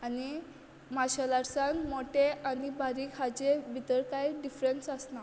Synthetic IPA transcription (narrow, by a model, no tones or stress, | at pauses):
ani | maɕalaɾsãŋkmoʈeʔanibaɾiːkhad͡ʑebʱit̪əɾkajɖifɾensəsna